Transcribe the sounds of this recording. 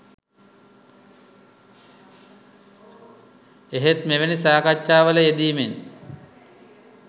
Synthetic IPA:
eɦet̪meʋenisaːkat͡ʃʃaːʋələed̪iːmen

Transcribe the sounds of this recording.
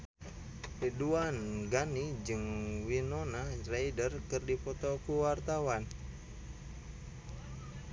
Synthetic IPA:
piduanɡanid͡ʒɨŋwinɔnarajdərkɨrdipɔt̪ɔkuwart̪awan

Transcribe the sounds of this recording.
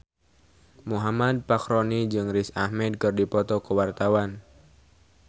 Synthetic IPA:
muɦamad̪̚pakɾonid͡ʒɨŋrisahmɛd̪̚kɨrdipɔt̪ɔkəwart̪awan

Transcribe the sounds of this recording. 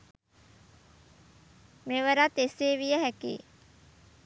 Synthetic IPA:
meʋəɾat̪eseːʋijəɦækḭː

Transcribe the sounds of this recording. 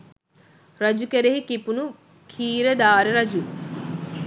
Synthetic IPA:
ɾɐd͡ʒukeɾeɦikipunu | kʰiːɾed̪aːɾeɾɐd͡ʒu

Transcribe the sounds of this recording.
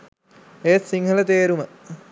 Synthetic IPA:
eːssiŋɦələt̪eːɾumə

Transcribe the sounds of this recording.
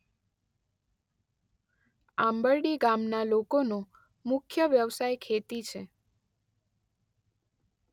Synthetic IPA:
ãmbəɭɖiɡamnalokono | mʊkʰjəʋjəʋsajkʰet̪it͡ʃʰe

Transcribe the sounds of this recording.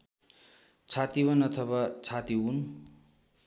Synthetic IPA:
t͡sʰat̪ibʌnʌt̪ʰʌbat͡sʰat̪iun

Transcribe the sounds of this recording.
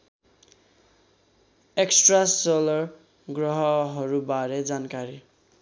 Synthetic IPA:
eksʈrasolʌr | ɡrʌɦʌɦʌɾubaɾed͡zankaɾi

